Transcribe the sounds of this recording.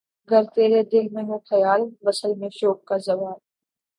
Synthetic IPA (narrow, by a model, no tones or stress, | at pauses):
ɡəɾt̪eːɾed̪ɪlmẽɦʊ̃xɐjaːlʋɐsəlmẽʃoːp̚kazɐʋaːl